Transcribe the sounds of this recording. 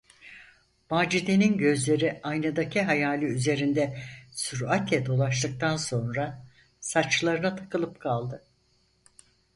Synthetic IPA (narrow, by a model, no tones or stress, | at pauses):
maːd͡ʒid̪eninɟø̞zlʲe̞ɾiajnad̪acʰiɦajaːlʲiyze̞ɾind̪ɛsuɾat̪ʰɛd̪o̞lˠaʃt̪ˠɯk̚t̪ʰanso̞nɾa | sat͡ʃlˠaɾɯnat̪ʰḁkʰɯlˠɯpkʰalˠd̪ɯ